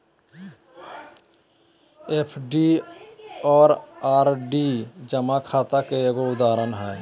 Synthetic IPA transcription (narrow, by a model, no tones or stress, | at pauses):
epʰɖi | ɔːɾaːɾɖid͡ʒəmakʰaːt̪akeeːɡoʊd̪aːɾənɦɛː